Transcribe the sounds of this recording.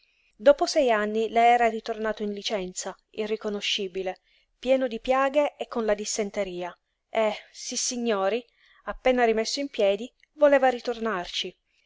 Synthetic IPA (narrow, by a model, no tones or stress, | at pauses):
d̪oːposɛjanːilɛɛːɾarit̪ornaːt̪oinlit͡ʃɛnt̪sa | irːikonoʃːiːbile | pjɛːnod̪ipjaːɡeekːonlad̪isːent̪eɾiːa | esisːiɲːoːɾi | apːeːnaɾimesːoimpjɛːd̪i | voleːvaɾit̪ornart͡ʃi